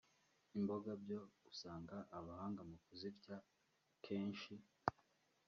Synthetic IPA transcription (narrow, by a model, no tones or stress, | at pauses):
imbo̞ɡabjo̞ɡ̥usaːŋɡaʔːβahaːŋɡamukuzibɟa | kʰeːɲʃi